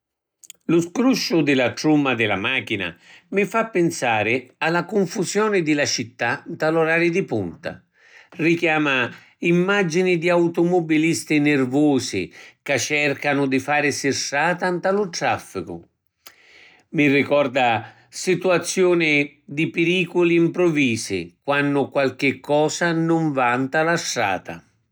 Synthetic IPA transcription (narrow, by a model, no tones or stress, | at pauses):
lʊskɾuʃːʊd̪ɪlat̪ɾumːad̪ɪla̰maːk̟ina̰mɪfapːɪnsaːɾɪalakʊɱfusjɔːnɪd̪ɪlat͡ʃit̪ːant̪alɔɾaːɾjid̪ipunt̪a̰ | rikjaːma | imːad͡ʒinid̪iawt̪ʊmɔbilist̪inɪrvɔːsḭkat͡ʃːɛrkanʊd̪ifaːɾɪsɪʃːaːt̪ant̪alʊt̪ɾafːikʊ̰ | mirikɔrd̪a | sit̪uat̪sːjɔːnɪ | d̪ipɪɾiːkʊliːmpɾɔviːsɪ̰kwanːʊkwalk̟ɪkːɔːsanʊɱvant̪alaʃːa̰ːt̪a̰